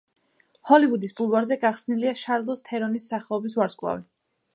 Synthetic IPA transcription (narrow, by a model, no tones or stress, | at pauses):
hɔlivud̪isbulˠvaɾzɛɡaχsniliaʃaɾlˠɔst̪ʰɛɾɔnisːaχɛlɔbis̬vaɾskʼlˠa̰vi